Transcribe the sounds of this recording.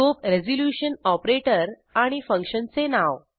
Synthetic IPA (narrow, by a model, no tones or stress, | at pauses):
opɾed͡zoljuɕənɔpɾeʈəɾ | aɽ̃ifə̃ŋkʂənt͡senaʋ